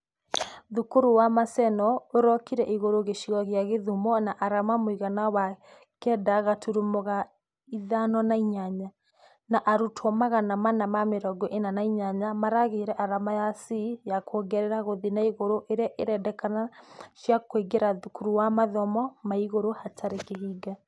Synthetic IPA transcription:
ðukuɾuwamasɛnɔoɾɔkiɾɛʔiɣoɾoɣeʃiɣɔɣeaɣeðumɔnaʔaɾamamoiɣanawa | kɛdaɣatʰuɾumɔɣa | iðanɔnaiɲaɲa | naʔaɾutʰɔmaɣanamanamameɾɔɡɔʔenanaiɲaɲamaɾaɣeɾɛʔaɾamajasijakwɔɡɛɾɛɾaɣoðinaiɣoɾoʔeɾeaʔeɾɛdɛkanaʃjakweɡeɾaðukuɾuwamaðɔmɔmaiɣoɾohatʰaɾekeɣiːɡa

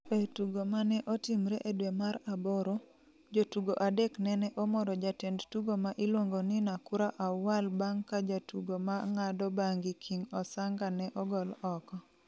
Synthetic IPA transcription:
etuɡomanɛʔotimɾɛʔedwemaɾaboɾo | d͡ʒotuɡoʔadɛknɛnɛʔɔmɔɾɔd͡ʒatendtuɡomaʔilwoŋɡoninakuɾaʔawalbaŋkad͡ʒatuɡomaŋadɔbaŋɡikʰiŋɔsaŋɡanɛʔɔɡɔlɔkɔ

